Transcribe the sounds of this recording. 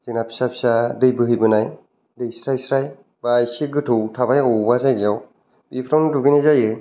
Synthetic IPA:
zinapʰi̥sapʰi̥sadɯjbɯɦɯjbɯnaj | dɯjsɾajsɾaj | bajsiɡɯtʰɯwtʰabajɔbazajɡiɔw | bipʰɾawnduɡɯnajzajɯ

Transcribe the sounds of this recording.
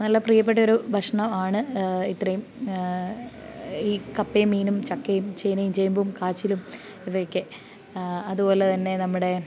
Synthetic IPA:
nɐlːɐprijɐpːeʈːɐo̞ɾubʱɐʂɐɳɐmaːɳɨit̪rɐjum | iːkɐpːejmːiːnumt͡ɕɐkːejumt͡ɕejnɐjumt͡ɕejumboumkaːt͡ɕːilum | iʋɐjokʲːɨ | ɐðubo̞ːlet̪ɐnːe̞nɐmːuɽe̞

